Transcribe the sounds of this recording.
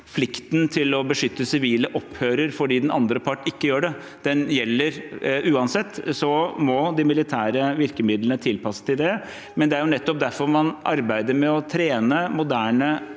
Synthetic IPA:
flɪkt̪nt̪ʰɪlɔbəʂʏt̪ːəsɪʋiːləʔɔpːhøːɾəɾfɔɖiːd̪ɛnɑnd̪ɾəpʰɑʈːɪkːəjøːɖɛ | d̪ɛnjɛlːəɾʔʉːɑnsɛt̪ːsɔmɔd̪ɪmɪlɪt̪ʰæːɾəʋɪɾkəmɪd̪lənət̪ʰɪlpɑsə̥t̪ɪld̪ɛ | mɛnd̪ɛæɾjʊnɛt̪ːɔp̚d̪æɾfɔɾmɑnʔɑɾbæɪd̪əɾmɛɔt̪ʰɾeːnəmʊd̪æːɳə

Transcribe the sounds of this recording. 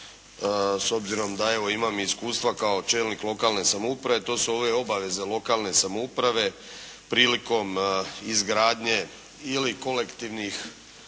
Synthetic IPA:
so̞bziɾo̞md̪ae̞ʋo̞imamiskuːst̪ʋakao̞t͡ʃe̞ːlniklo̞kalne̞samoupɾaʋe̞t̪o̞ːsuo̞ːʋe̞o̞baʋe̞ze̞lo̞kaːlne̞samoupɾaʋe̞ | pɾiːliko̞mizɡɾaːd̪ɲe̞ | iliko̞le̞kt̪iʋnix

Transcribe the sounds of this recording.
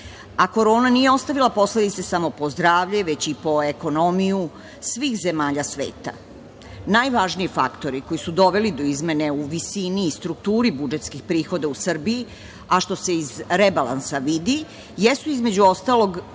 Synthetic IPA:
ako̞ɾo̞ːnanijeo̞st̪aʋilˠapo̞sled̪it̪sesamo̞po̞zd̪ɾaːʋʎeʋe̞t͡ɕipo̞e̞ko̞no̞miju | sʋiːxze̞maːʎasʋḛːt̪a̰ | najʋaːʒniefa̰kt̪o̞ɾiko̞jisud̪o̞ʋe̞lid̪o̞izme̞ne̞uʋisiniːst̪ɾukt̪uːɾibud͡ʒe̞t̪skixpɾiːxo̞d̪ausr̩bii | aʃt̪o̞se̞izɾebalˠa̰nsaʋid̪i | jesuizme̞d͡ʑuo̞st̪alo̞ɡ

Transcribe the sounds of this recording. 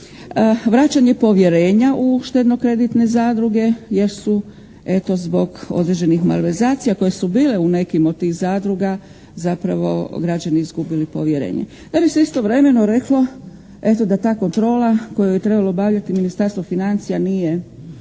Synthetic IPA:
əʋɾat͡ɕaɲepo̞ʋje̞ɾe̞ːɲaʔuʃt̪ed̪no̞kɾe̞d̪it̪ne̞zaːd̪ɾuɡe̞je̞ɾsu | e̞t̪o̞zbo̞ɡo̞̰d̪ɾe̞d͡ʑe̞nixma̰lʋeɾzaːt̪sijako̞jesubiːle̞une̞kimot̪t̪ːiːxzaːd̪ɾuɡa | zapɾaʋo̞̰ɡɾad͡ʑaniizɡubilipo̞̰ʋje̞ɾḛːɲḛ | d̪̥abiseist̪o̞ʋɾe̞me̞noɾe̞klo̞ | e̞t̪o̞d̪at̪aːko̞nt̪ɾo̞ːlako̞jajet̪ɾe̞balˠo̞baʋʎat̪iminist̪aɾst̪ʋofinant̪sijanije̞

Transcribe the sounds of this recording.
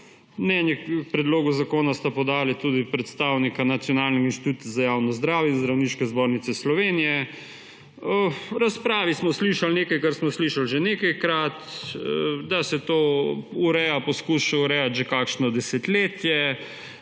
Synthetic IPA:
mnɛnjɛpɾɛd̪loːɡuzakoːnast̪apɔd̪aːlit̪ud̪ipɾɛt̪st̪aːwnikanat̪sjɔnaːlnixinʃt̪it̪uːt̪zajaːwnɔzd̪ɾaːwjɛinzd̪ɾawniːʃkɛzboːɾnit̪sɛslɔʋeːnijɛ | əɾaspɾaːʋismɔsliʃalneːkajkaɾsmɔsliʃalʒenekajkɾat̪ | d̪asɛt̪ouɾɛjapɔskuʃauɾɛjat̪ʒekaːkʃnɔd̪ɛsɛt̪leːt̪jɛ

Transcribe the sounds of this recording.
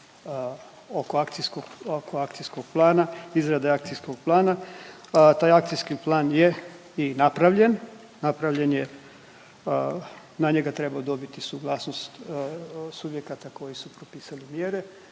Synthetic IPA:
oko̞akt̪iskoɡokʰoakt̪sijskoɡ̥̚plˠaːnaizɾad̪eakt̪sisko̞ɡ̥̚plˠaːna | t̪aːjak̚t̪sijskiplˠaːnje̞ | inapɾaʋʎe̞nː | apɾaʋʎe̞nje̞ | naɲeɡat̪ɾe̞baod̪o̞bit̪isuɡlˠaːsno̞st̪ | subje̞kat̪ako̞jisupɾopiːsalimjeɾe̞

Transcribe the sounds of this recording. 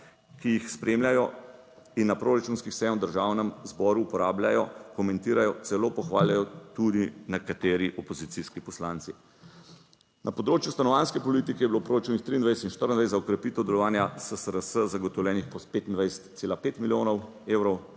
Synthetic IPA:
kijixspɾemljajɔ | inːapɾoɾat͡ʃunskixsɛjɛmwd̪əɾʒawnɛmzbɔːɾuːpɔɾaːbljajɔkɔmɛ̃nt̪iːɾajɔt̪sɛloːpɔxʋaːljajɔt̪ud̪inɛkat̪eːɾiʔɔpɔzit̪siskipɔslaːnt̪si | nʔapɔd̪ɾoːt͡ʃjust̪anɔʋaːnskɛpɔliːt̪ikɛjɛbilopɾoːɾat͡ʃunixt̪ɾiːnd̪ʋajsɛt̪inʃt̪əɾənd̪ʋajszaɔkɾɛpit̪ɛwd̪ɛlɔʋaːnjasəsəɾəsəzaɡɔt̪ɔwljɛːnixpɔt̪peːt̪ind̪ʋajsɛ̥t̪eːlapeːt̪miljoːnɔw | ewɾɔw

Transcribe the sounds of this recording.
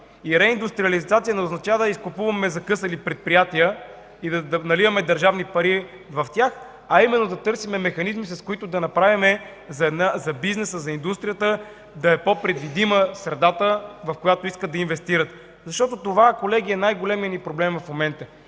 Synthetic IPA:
iɾɛind̪ust̪ɾiɐlizat̪siənɛʊznɐt͡ʃavəd̪ɐiskʊpuvɐmɛzɐkɤsɐlipɾɛt̪̚pɾijat̪iə | id̪ɐd̪ɐnɐlivɐmɛd̪ɐɾʒavnipɐɾi | vɐft̪ʲjax | ɐimɛnːod̪ɐt̪ɤɾsimɛmɛxɐnizmisɐskʊit̪ʊd̪ɐnɐpɾavimɛ | zɐɛd̪nazɐbiznɛsəzɐind̪ust̪ɾijət̪ə | d̪ɐɛpopɾɛd̪vid̪iməsɾɛd̪at̪əvɐfkojat̪oiskət̪ːɐinvɛst̪iɾət̪ | zɐʃt̪ɔt̪ot̪ovakolɛɡ̟iɛnajɡolɛmiənipɾoblɛmvɐfmomɛnt̪ə

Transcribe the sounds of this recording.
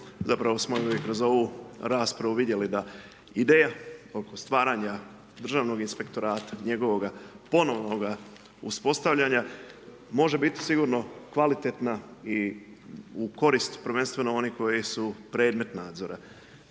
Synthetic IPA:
zapɾaʋo̞smoekɾo̞zo̞ʋuɾaːspɾaʋuʋid̪je̞lid̪a | id̪eːjao̞ko̞st̪ʋaːɾaɲa | d̪r̩ʒaːʋno̞ɡinspe̞kt̪o̞ɾaːt̪ḁɲe̞ɡo̞ʋo̞ɡapo̞no̞ʋnoɡa | ṵspo̞st̪aʋʎaɲa | mo̞ʒe̞bit̪i̥siɡuɾno̞kʋalit̪et̪nai | uko̞ɾist̪u̥pɾʋe̞nst̪ʋe̞noo̞niko̞jisupɾe̞ːd̪me̞t̪naːd̪zo̞ɾʔa̰

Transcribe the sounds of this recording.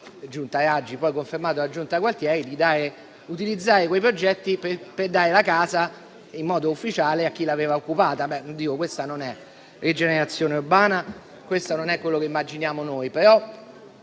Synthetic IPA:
d͡ʒunt̪aɾad͡ʒːipɔjkoɱfermaːt̪̬olad͡ʒunt̪akwalt̪jɛːɾid̪id̪aːɾe | ut̪ilid̪zːaːɾekwejpɾod͡ʒɛt̪ːipeperd̪aːɾelakaːza | imːɔːd̪oufːit͡ʃaːleakːilaveːvaokːupaːt̪abɛnond̪iːkokwest̪anonɛ | red͡ʒeneɾat̪sːjoːneurbaːna | kwest̪anonɛkːwelːokeimːad͡ʒinjaːmonojpeɾɔ

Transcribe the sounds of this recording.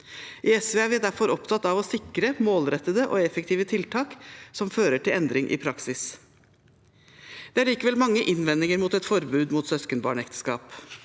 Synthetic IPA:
ʔɪɛsʋeæʋɪæd̪æɾfɔɾɔpt̪ʰɑt̪ːɑʋɔsɪkɾəmoːlɾɛt̪ːəd̪əʔoːɛfək̚t̪ʰiːʋət̪ʰɪlt̪ʰɑːksɔmføːɾəʈʰɪlɛnd̪ɾɪŋʔɪ̰pʰɾɑksɪs | d̪̥ɛæɭiːkəʋɛlmɑŋːəʔɪnʋɛnːɪŋəɾmuːt̪ɛt̪fɔɾbʉːd̪muːt̪sœskənbɑ̰ːɳɛkt̪ə̥skɑ̰ːp

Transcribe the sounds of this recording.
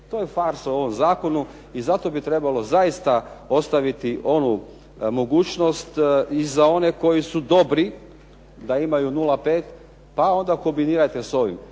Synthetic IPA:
t̪oːjefaɾsoo̞ʋomzaːko̞nu | izat̪o̞bit̪ɾe̞balo̞zaist̪ao̞st̪aʋit̪iʔo̞nu | mo̞ɡuːt͡ʃno̞st̪izao̞ne̞ko̞jisud̪o̞bɾi | d̪aimajunulape̞ːt̪ | pao̞nd̪ako̞mbiniːɾajt̪e̞so̞ʋḭm

